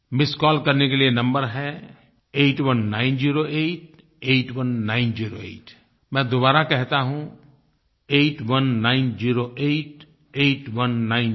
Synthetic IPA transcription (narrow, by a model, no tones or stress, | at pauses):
mɪskɔːlkɐɾnekelienɐ̃mbəɾɦɛ | eːʈwɐnːaːɪnd͡ʒiːɾoeːʈ̚ | eːʈwɐnːaːɪnd͡ʒiːɾo̰ḛːʈ | mɛ̃d̪obaːɾakɛɦt̪aɦũ | eːʈwɐnːaːɪnd͡ʒiːɾoʔeːʈ | eːʈwɐnːaːɪn